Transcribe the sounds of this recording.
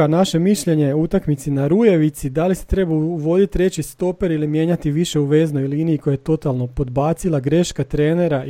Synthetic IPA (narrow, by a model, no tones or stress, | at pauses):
anaʃe̞miʃʎe̞ɲejeut̪akmit̪sinaɾuje̞ʋit̪sid̪alise̥t̪ɾe̞bauʋo̞d̪it̪ɾe̞t͡ɕist̪o̞peɾilimje̞ːɲat̪iʋiʃe̞uʋe̞zno̞jliːniːikojajet̪o̞t̪alˠno̞po̞d̪baːt̪silˠaɡɾe̞ʃkat̪ɾeːne̞ɾa